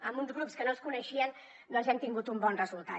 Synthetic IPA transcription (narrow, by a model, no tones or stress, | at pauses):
əmunzɣɾupskənoskunəʃiənː | olˠzɛnt̪iŋɡut̪umbɔnrəzulˠt̪a